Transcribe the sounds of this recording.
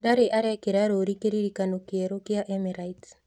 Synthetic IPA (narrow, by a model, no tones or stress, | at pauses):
daɾeʔaɾekeɾaɾoɾikeɾiɾikanokjeɾokjaʔemiɾaits